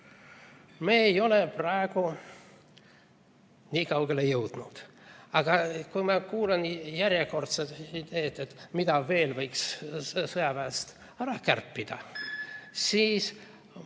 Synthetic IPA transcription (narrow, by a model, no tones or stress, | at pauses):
meːjo̞le̞prɑeɡ̥u | nʲiːkɑwɡe̞lejɤwd̪̥nud̪̥ | ɑɡ̥ɑkujmɑkuːlenjæɾʲjeko̞rt̪set̪id̪e̞ːt̪ːet̪ːmid̪ɑve̞ːlvɤjkssɤjɑpæːst̪ | æɾɑkærpːid̪̥ɑ̰ | siːs